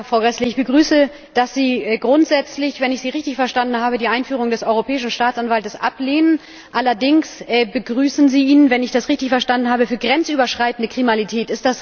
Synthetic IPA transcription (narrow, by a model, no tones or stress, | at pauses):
fʁ̥aʊɡʁɛsləɪçb̥əɡʁyːsə | d̥asz̥iːɛɡʁʊntz̥ɛt͡slɪçv̥ɛnɪçz̥iːʁɪçtɪçfɛɐʃtandn̩ɦaːbədiːʔaɪnfyːʁ̞ʊŋdɛsʔɔʏʁopʰɛːɪʃn̩ʃtaːt͡sanvaltəsʔa̰pleːnən | ʔalɐdɪŋsɛbəɡʁyːsn̩ziːʔiːnənvɛnɪçd̥asʁɪçtɪçfɛɐʃtandn̩haːbəfyːɐɡʁɛnt͡sʔyːbɐʃʁ̥aɪtn̩dəkʁ̥imalitʰɛːtɪstd̥as